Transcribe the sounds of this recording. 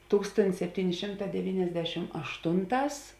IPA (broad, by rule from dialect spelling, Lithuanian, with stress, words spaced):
ˈtuːkstoːnʲtʲɪs sʲɛpʲˈtʲiːnʲɪ ˈʃʲɪmˌtɑː dʲɛˈʋʲiːnʲɛzʲdʲɛʃʲɪm ɐʃˈtʊnˌtɑːs